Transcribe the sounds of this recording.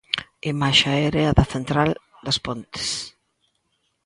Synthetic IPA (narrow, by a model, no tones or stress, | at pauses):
emaʃaɛɾeɐðɐθent̪ɾal | d̪ɐspont̪ɪ̥s